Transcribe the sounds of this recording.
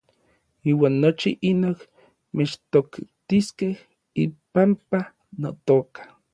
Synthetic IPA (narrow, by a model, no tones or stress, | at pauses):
iːwaːnːot͡ʃiʔinok | met͡ʃt̪okt̪iskeh | ipampa | not̪oːkḁ